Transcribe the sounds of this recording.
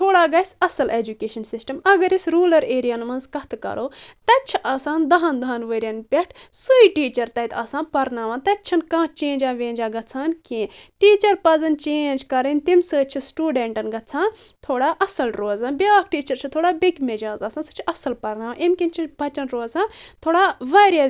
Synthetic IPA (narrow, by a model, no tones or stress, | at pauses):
t̪ʰoːɽaːɡɐsʲɐsɐled͡ʒukeːʃɐnsisʈɐmɐɡɐɾisɾuːlɐɾeːɾijanmɐnzkɐt̪ʰkɐ̰ɾʔoːt̪ɐtt͡ʃʰiʔɐːsaːnd̪ɐɦɐnd̪ɐɦɐnʋəɾʲɐnpʲeʈʰsɨiʈiːt͡ʃɐɾt̪ɐit̪ʰaːsãːnpɐɾnaːʋãːnt̪ɐtt͡ʃʰɐnkãːt͡ʃẽːnd͡ʒaːʋẽːnd͡ʒaːɡɐt͡sʰaːnkẽːʈiːt͡ʃɐɾpɐzɐnt͡ʃeːnd͡ʒkɐɾɐnʲt̪imsɨːt͡ʃʰisʈuːɖeɳʈɐnɡɐt͡sʰãːnt̪ʰoːɽaːʔɐsɐlɾoːzãːnbʲaːk̚ʰʈiːt͡ʃɐɾt͡ʃʰit̪ʰoːɽaːbiɡmed͡ʒaːzɐːsaːnsɨ̥t͡ʃʰiɐsɐlpɐɾnaːʋãʔemkʲint͡ʃʰibʱɐt͡ʃɐnɾoːzãːnt̪ʰoːɽaːʋɐːɾiɐ